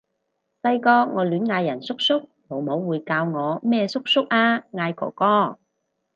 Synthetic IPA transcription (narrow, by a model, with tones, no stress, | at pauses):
sɐ˧jkɔː˧ŋɔː˨˧lyː˨˥nŋaː˧jːɐ˨˩nsʊ˥k̚sʊ˥k̚ | mo˨˧wmo˨˥wːuː˨˧jkaː˧wŋɔː˨˧mɛː˥sʊ˥k̚sʊ˥k̚aː˧ŋaː˧jkɔ̰ː˨˩kɔː˧˥